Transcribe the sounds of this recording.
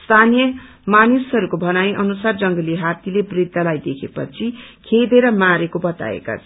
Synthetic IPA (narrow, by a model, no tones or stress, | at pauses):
st̪ʰanijʌ | manisɦʌɾukobʱʌnaj̃ʔʌnusard͡zʌŋɡʌliɦat̪ilebrid̪ʱːʌlajd̪ekʰepʌ̰t͡sʰikʰeld̪eɾʌmaɾekobʌt̪a̰ḛka̰t͡sʰʌ